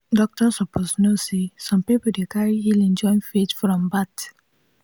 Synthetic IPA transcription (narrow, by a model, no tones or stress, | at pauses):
dɔk̚tɔsɔpʰosnosesɔ̃mpipodekaɹiilɛ̃nd͡ʒɔ̃ĩnfetfɹɔ̃mbat